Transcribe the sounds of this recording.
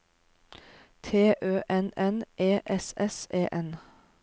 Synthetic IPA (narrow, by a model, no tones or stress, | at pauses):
t̪ʰeːʔøːʔɛnɛnʔeːʔɛsɛseːʔɛn